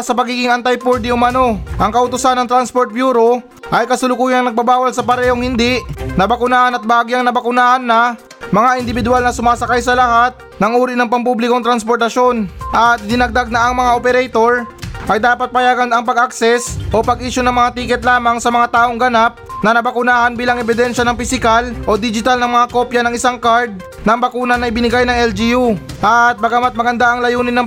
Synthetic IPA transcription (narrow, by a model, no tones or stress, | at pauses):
sɐpɐɡiːɡɪŋɐnt̪ɐjpoɹd̪ɪʊmɐno̞ʔɐŋkɐʔʊt̪ʊsanːɐŋt̪ɾanspoɾt̪̚bjuːɾo̞ | ʔɐjkɐsʊlʊkuːjɐŋnɐɡ̚babaːwɐlsɐpɐɾɛːhoŋhɪnd̪iʔnɐbɐkʊnaːhɐnɐt̪̚bɐaːɡɪɐŋnɐbɐkʊnaːhɐnːɐ | mɐŋaʔɪnd̪ɪbɪd̪ʊalnɐsʊmaːsɐkajsɐlɐhat̪̚nɐŋuːɾinɐŋpɐmpublɪkoŋt̪ɾɐnspoɾt̪ɐʃo̞nʔɐt̪̚d̪ɪnɐɡ̚d̪aɡ̚nɐʔɐŋmɐŋaʔopɛɾɛjt̪o̞ɾʔɐjd̪aːpɐt̪̚pɐjaːɡɐnɐŋpɐɡɐksɛsʔo̞pɐɡʔiːʃonɐŋmɐŋat̪iːkɛt̪̚laːmɐŋsɐmɐŋat̪aːʔo̞ŋɡɐnap̚nɐnɐbɐkʊnaːhɐnbiːlɐŋɛbɪd̪ɛnʃɐnɐŋpɪsɪkalʔo̞d̪ɪd͡ʒɪt̪alnɐŋmɐŋako̞ːpjɐnɐŋɪsaŋkaɹd̪̚ | nɐŋbɐkuːnɐnɐɪjbɪnɪɡajnɐŋɛld͡ʒijuʔɐt̪̚bɐɡɐmat̪̚mɐɡɐnd̪aʔɐŋlɐjuːnɪnɐŋ